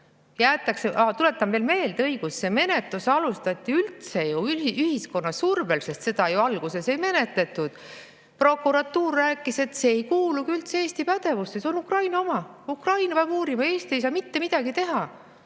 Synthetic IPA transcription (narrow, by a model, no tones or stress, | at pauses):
jæːt̪ːˑɑkseʔɑt̪ule̞t̪ːˑɑmve̞ːlme̞ːld̪ɤiɡ̥usːe̞me̞ne̞t̪lusɑlust̪ɑt̪ʲːˑiylt̪se̞juyiyhisko̞nːɑssurbelse̞st̪se̞d̪̥ɑjuɑlɡ̥use̞se̞jme̞ne̞t̪le̞t̪ːˑud̪̥ | pro̞kːuɾɑt̪ːuːrːæːkːˑise̞t̪se̞ːjkuːlukiylt̪see̞ːst̪ipæd̪̥e̞vusesonukrɑjnɑo̞mɑukrɑjnɑvæɡuːɾimɑe̞ːst̪ie̞js̬ɑːmit̪ːe̞mid̪̥ɑɡit̪e̞ɦɑ